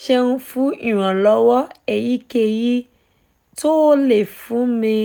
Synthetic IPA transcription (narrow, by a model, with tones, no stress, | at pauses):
ʃɛ˧nũ˦˧˦fũ˦i˦˨w̃ã˨lɔ˨˦wɔ˦ɛ˨ji˦ke˦˨ji˦ | to˦le˨fũ˨˦mĩ˧